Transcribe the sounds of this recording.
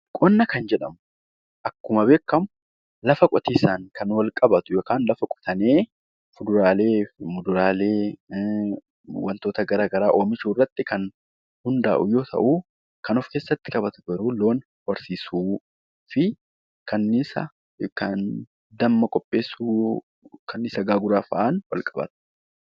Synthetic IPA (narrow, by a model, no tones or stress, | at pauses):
kʼɔnːɐkɐnd͡ʒɛᶑɐmʊ | ʔɐkːʊmɐbe̞ːkːɐmʊ | lɐfɐkʼɔt̪iːsaːŋkʰɐnwɐlkʼɐbɐt̪ʊjokaːnlɐfɐkʼɔ̥t̪ɐneː | fʊd̪ʊɾaːleːmʊd̪ʊɾaːle̞ː | wɐnt̪o̞ːt̪ɐɡɐɾaːɡɐɾaːʔoːmɪt͡ʃuːrːɐt̪ːɪkɐn | hʊnd̪aːʔʊjo̞ːt̪ʰɐ̰ʔuː | kɐnɔfke̞ːsːɐt̪ːɪ̥kʼɐbɐt̪ʊɡɐɾuːlo̞ːn | wɐɾsiːsuː | fɪ | kɐnːɪsɐ̰ | kɐn | d̪ɐmːɐkʼɔpʼːe̞ːsːuː | kʰɐnːɪsɐɡaːɡʊɾaːfɐʔanwɐlkʼɐbɐ̰t̪ʊ̥